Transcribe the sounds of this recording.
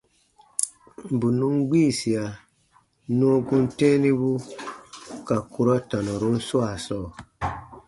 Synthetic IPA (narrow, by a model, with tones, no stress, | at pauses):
bu˨nũ˦ŋɡ͡biː˦˨si˨a˨ | nũ˦o˦ɡũ˦ntɛ̃˦nĩ˦bu˦ | ka˨ku˦ɾɔ˦ta˨nɔ˨ɾo˦n̩˦swa˨sɔː˦˨